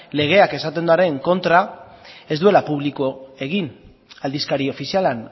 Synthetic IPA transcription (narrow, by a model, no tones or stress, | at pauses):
le̞ɣ̞e̞ake̞sat̪e̞nd̪aɾe̞ŋko̞nt̪ɾa | e̞zd̪ue̞lapuβ̞likoe̞ɣ̞in | ald̪iskaɾio̞fisialan